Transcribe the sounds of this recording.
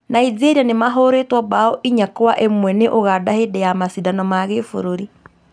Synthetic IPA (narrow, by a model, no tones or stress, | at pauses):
naiðeɾianemaɦoɾetwɔbaɔʔiɲakwaʔemwɛneʔoɣadahedɛjamasidanɔmaɣefo̰ɾoɾi